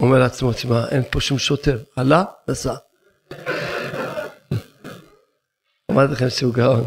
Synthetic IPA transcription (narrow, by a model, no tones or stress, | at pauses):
omeʁleat͡smot̪imaʔenpo̞ʃumʃot̪eʁalanasa | amadlaχemʃeuɡaon